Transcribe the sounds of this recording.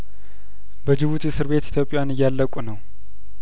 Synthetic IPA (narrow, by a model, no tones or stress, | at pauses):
bəd͡ʒɨβut̪jɛsɨɾβe̞t̪i̥t̪ʰjo̞pʼːɪjanɨjːalːəkʷʼunəw